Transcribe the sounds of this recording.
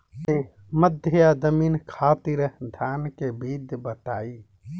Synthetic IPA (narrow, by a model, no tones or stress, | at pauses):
t̪e | məd̪ʱjəad̪əminkʰat̪iɾd̪ʱjankebid̪bət̪aːi